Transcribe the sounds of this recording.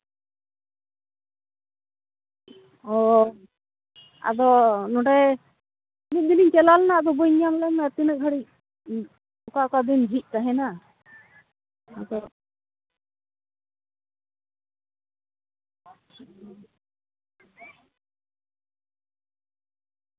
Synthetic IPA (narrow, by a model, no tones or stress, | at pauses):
ɔ | a̰d̪ɔnɔɖɛ | nit̪̚d̪iniɲt͡ʃɛlalnaad̪ɔbɔjɲamlɛmɛat̪inək̚ɦʰəɽic̚ | ɔkakad̪ind͡ʒʱic̪̚ˀkaɦɛna | ad̪ɔ